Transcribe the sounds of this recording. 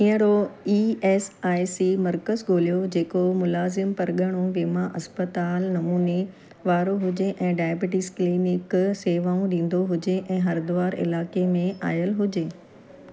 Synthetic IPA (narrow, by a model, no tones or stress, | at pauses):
ĩːə̃ɾoiːɛːsaːjsiːmɐɾkəzɡoːlijod͡ʑeːkomʊlaːzɪmpɐɾɠəɽ̃ũʋeːmaʔɐspət̪aːlnɐmuːne | ʋaːɾoɦʊd͡ʑeʔɛ̃ːɖaːjbɪʈɪskliːnɪkseːʋaːũɗĩːn̆d̪oɦʊd͡ʑeʔɛ̃ːɦɐɾd̪ʊʋaːɾɪ̰laːkemẽʔaːjəlɦʊd͡ʑeː